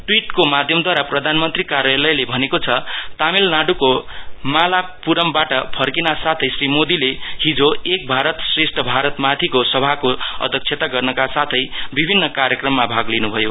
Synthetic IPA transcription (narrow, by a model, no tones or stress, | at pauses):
ʈwiʈkomad̪ʱjʌmd̪ʱwaɾaprʌd̪ʱanmʌnt̪rikaɾjalʌjlebʱʌnekot͡sʰʌt̪amilnaɽukomalapuɾʌmbaʈʌpʰʌrkinasat̪ʰʌjsrimod̪ileɦid͡zoek̚bʱaɾʌt̪sresʈʰʌbʱaɾʌt̪mat̪ʰikosʌbʱakoʌ̰d̪ʱʌk̚t͡sʰet̪aɡʌrnʌkasat̪ʰʌjbibʱinːʌkaɾjʌkrʌmːabʱaɡlinubʱʌjo